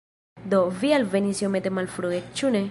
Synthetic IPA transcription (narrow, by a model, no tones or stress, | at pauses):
d̪ovialvenisiomet̪emalfɾuek̚t͡ʃune